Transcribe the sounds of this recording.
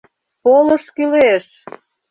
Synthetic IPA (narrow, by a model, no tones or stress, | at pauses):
poləʃkyleʃ